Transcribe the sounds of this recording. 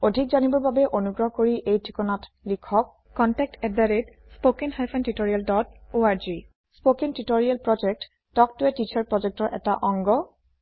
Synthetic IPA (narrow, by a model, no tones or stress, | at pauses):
odʱikzanibɔɹbabɛʔonuɡɹɔɦkoɹiʔejtʰikɔnatlikʰɔk̚ːɔntɛk̚tɛdaɹet | spokinhajpʰɛntitoɹialdɔt̚oaɹzi | spokintitoɹijalpɹɔd͡ʒɛk̚t | tɔk̚tʊɛtit͡ʃʰaɹpɹɔd͡ʒɛk̚tɔɹʔɛtaʔɔŋɡɔ